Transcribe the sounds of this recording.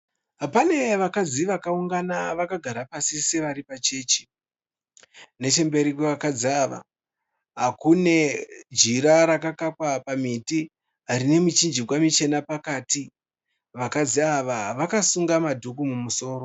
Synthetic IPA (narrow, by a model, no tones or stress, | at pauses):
ɦapane̞ʋakad͡ziʋakauŋɡanaʋakaɡʱaɾapasise̞ʋaɾipat͡ʃe̞ːt͡ʃe̥ | ne̞t͡ʃe̞mbe̞ɾikweʋakad͡ziaʋa̰ | ɦakune̞d͡ʒiɾaɾakakapwapamiti | ɦaɾine̞mut͡ʃind͡ʒikwamit͡ʃe̞napakaːti | ʋakad͡ziaʋaʋakasuŋɡamadʱukumumuso̞ːɾo̞